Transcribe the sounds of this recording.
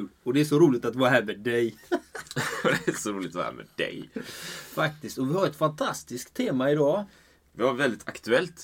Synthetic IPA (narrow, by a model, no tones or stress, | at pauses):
lɔd̪ɛæʂɔɾuːlɪt̪at̪vɑːɾaɦæːɾmeːd̪ɛj | d̪ɛæsɔɾuːlɪt̪ɔ̰hæ̰ːɾmḛːd̪ɛ̰j | fak̚t̪ɪst̪ɔvɪhaɾɛt̪fant̪ʰast̪ɪskt̪ʰːeːmaɪd̪ɑː | vɪhaɾvɛld̪ɪt̪ʰakt̪ɵɛlt̪